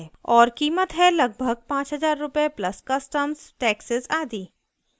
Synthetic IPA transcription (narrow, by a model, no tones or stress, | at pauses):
ɔːɾkiːmət̪ɦɛlɐɡ̚bʱəɡ̚pãːt͡ʃɦɐzaːɾːʊpeplɐskɐsʈəmzʈɛːksɪzaːd̪iː